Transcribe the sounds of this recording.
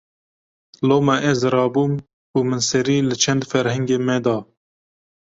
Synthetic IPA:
loːmɛʔɛzɾɑːbuːm | uːmɨnsɛɾiːlɨt͡ʃʰɛnd̪fɛɾhɛŋɡeːmɛd̪ɑː

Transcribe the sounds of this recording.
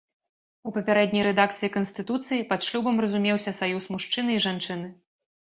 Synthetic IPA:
upɐpʲaɾɛd̪nʲɐjɾɛd̪ak̚t̪sɨjikɐnsʲt̪ɨt̪ut̪sɨjipɐt̪ʂlʲubɐmrɐzumʲɛwsʲɐsajusmuʂt͡ʂɨnɨiʐant͡ʂɨnɨ

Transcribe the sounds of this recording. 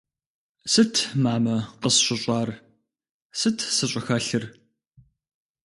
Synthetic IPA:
sɨtʰmaːmɐqəsɕʷʊɕʷʼɑːr | sɨtʰsɨɕʷʼʊxɐɬɨr

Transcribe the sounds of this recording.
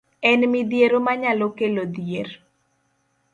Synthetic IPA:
ɛnmɪd̪jeɾomaɲalokelod̪jer

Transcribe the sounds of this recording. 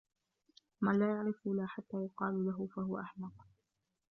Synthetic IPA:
manlaːjaʕɾɪfulaːħat̪ːaːjʊqɑːlulaɦʊfahʊwaʔaħmɑq

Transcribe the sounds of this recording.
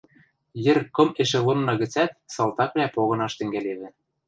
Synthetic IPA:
jɘ̆rkɤ̆meʃĕlɤ̆nːɤ̆ɣɘ̆t͡sæt̪̚sɑlt̪ɑkβlʲæpoɣɤ̆nɑʃt̪ɘ̆ŋɡæleβɘ̆

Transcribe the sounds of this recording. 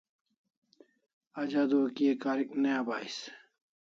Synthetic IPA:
ad͡ʑaːd̪oɐkijekaːɾik̚nejaːbaːis

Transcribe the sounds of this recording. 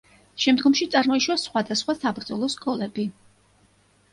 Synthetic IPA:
ʃɛmd̪ɡɔmʃit̪sʼaɾmɔiʃwasχwad̪asχwasabɾd̪zɔlˠɔskʰʼɔlɛbi

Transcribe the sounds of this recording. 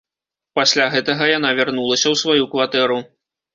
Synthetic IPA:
pasʲlʲaɣɛt̪ɐɣɐjanavʲarnulˠɐsʲɐwsvajukvat̪ɛɾu

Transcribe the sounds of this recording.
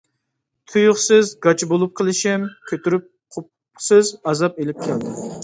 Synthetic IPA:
t̪ʰujʊχsɨzɡɑt͡ʃʰibolˠup̚qʰəlˠɪʃɪmkʲʰøt̪yɾyp̚ | qʰʊp | sɨzɑzɑp̚elɪp̚kʲʰɛld̪ɪ

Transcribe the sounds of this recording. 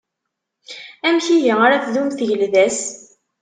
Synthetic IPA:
æmçijaaɾaθðumθʝəlðæs

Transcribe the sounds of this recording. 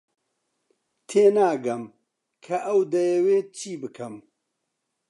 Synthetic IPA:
t̪ʰeːnaːɡɐm | kʰɐʔɐwd̪ɐjɐweːt͡ʃʰiːbɨkʰɐm

